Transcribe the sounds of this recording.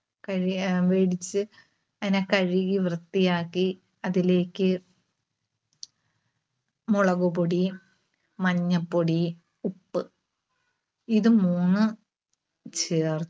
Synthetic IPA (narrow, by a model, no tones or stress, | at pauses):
kɐɻiʋeːɽit͡ɕːɨ | ɐðinekɐɻiɣiʋrɨt̪ːijaːkːi | ɐðile̞ːkʲːɨ | moɭɐɣuboɽi | mɐɲːɐpːoɽi | upːɨ | iðɨmuːnːɨ | t͡ɕeːr